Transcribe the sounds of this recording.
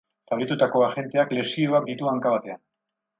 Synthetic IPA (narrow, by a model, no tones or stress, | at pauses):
saɣit̪ut̪ako̞axe̞nt̪e̞akle̞sio̞ak̚d̪it̪uaŋkaβat̪e̞a